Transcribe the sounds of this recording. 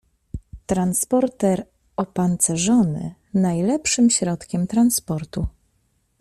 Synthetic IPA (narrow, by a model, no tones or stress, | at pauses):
t̪ɾanspɔɾt̪ɛɾ | ɔpant̪sɛʐɔnɘ̰ | najlɛpʂɘmɕɾɔt̪kʲɛmt̪ɾanspɔɾt̪u